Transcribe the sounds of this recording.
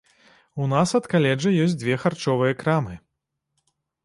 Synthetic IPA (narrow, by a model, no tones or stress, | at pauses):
unasɐt̪kalʲɛd͡ʐɐjɔsʲd͡z̪ʲvʲɛxart͡ʂɔvɨjɛkɾamɨ